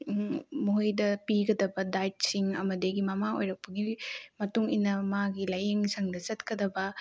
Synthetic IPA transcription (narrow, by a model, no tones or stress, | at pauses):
moɦjdɐpiɡɐdɐbɐdajt̚siŋɐ̰mɐdeɡimɐmaojɾɐk̚pɐɡimɐtuŋinɐmaɡilɐjeŋsɐŋdɐt͡ʃɐt̚kɐdɐbɐ